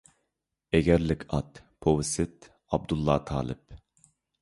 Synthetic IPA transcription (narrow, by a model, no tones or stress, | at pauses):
ɛɡʲɛɾlɪkʲʰɑt̪ | pʰowsɪt̪̚ | ɑb̚d̪ulˠːɑːt̪ʰɑ̰ːlˠɪ̰p̚